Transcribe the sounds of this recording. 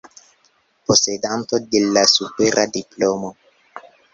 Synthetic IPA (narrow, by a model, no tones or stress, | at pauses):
po̞sedant̪o̞delasupeɾʔadiplomo